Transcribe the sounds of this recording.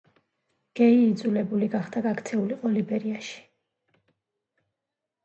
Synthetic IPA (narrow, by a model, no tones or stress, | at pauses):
ɡ̥ɛiːd̪zulɛbuliɡaχd̪aɡakt̪sʰɛuliqʼɔlibɛɾiaʃi̥